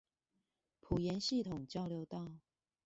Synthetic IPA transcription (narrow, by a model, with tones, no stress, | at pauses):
pʰu˨˩jɛ˧˥nɕi˥˨t̪ʰʊ˨˩ŋt͡ɕjɑ˥˧ʊljo˧˦ʊt̪ɑ˥˨ʊ